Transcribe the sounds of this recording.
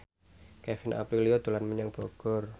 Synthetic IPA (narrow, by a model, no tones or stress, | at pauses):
kɛfɪnʔa̰pɾiliod̪ulanməɲaŋb̥ɔɡ̥ɔ̤r